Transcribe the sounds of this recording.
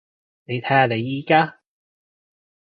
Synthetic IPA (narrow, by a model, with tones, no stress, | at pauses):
ne˨˧jt̪ʰɐ˨˥aː˨le˨˧jːiː˧˥kaː˥